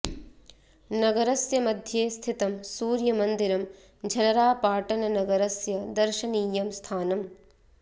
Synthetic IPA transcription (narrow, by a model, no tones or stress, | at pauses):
nɐɡɐɾɐsjɐmɐd̪ʱjeːst̪ʰit̪ɐmsuːɾjɐmɐnd̪iɾɐm | d͡ʒʱɐlɐɾaːpaːʈɐnɐnɐɡɐɾɐsjɐd̪ɐɾʃɐniːjɐmst̪ʰaːnɐm